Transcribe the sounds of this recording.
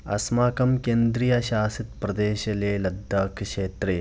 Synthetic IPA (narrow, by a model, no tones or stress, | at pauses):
ɐ̰smaːkɐmkeːnd̪ɾijɐɕaːsit̪̚pɾɐd̪eːʃɐleːlɐd̪ːaːkʃeːt̪ɾe